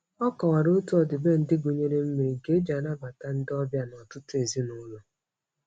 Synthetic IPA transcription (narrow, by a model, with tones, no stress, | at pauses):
ɔ˦kɔ˨wa˨ɾo˦tu˦ɔ˨dɪ˨be˦n̩˨dɪ˦ɡʷu˨ɲe˦ɾe˦m̩˦me˨ɾi˨ɡe˦d͡ʒa˨na˦ba˨ta˦n̩˦dɪ˦ɔ˦bja˦nɔ˨tʊ˦tʊ˦e˨zi˦nʊ˦lʊ˨